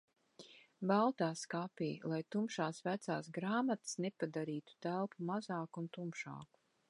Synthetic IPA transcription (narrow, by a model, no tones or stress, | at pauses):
balˠt̪aːskapḭːlˠajt̪umʃaːsvæt̪saːsɡɾaːmat̪snepad̪aɾiːt̪u̥t̪ælˠpumazaːkunt̪umʃa̰ːku̥